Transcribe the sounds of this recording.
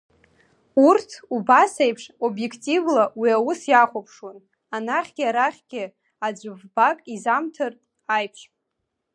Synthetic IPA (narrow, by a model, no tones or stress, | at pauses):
urtʰubasejpʰʂo̞bje̞kʰtʼivlawiawusjaχʷopʰʂon | anaχʲɡʲiaɾaχʲɡ̥ʲɪ | ad͡ʒʷɨvbakʼizamtʰɨrtʼ | ajpʰʂ